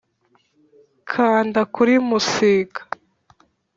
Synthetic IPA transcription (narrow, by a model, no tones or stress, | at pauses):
kʰaːndakuɾimusikḁ